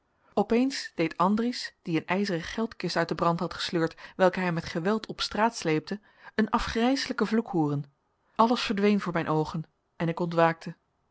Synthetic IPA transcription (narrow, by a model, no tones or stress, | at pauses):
ɔpejnsd̥ejtɑndrisd̥iənɛjzərəχɛlˠtkɪstœɥt̚dəbrɑntɦɑtχə̥sløːɹtʋɛlˠkəɦɛjmɛtχəʋɛlˠtʰɔpstraːtslejp̚tə | ənɑfχrɛjsələkəvlukɦuːrən | ɑləsfəɹdʋejnvʊːɹmɛjnʔowχən | ɛnɪkɔntʋaːk̚tə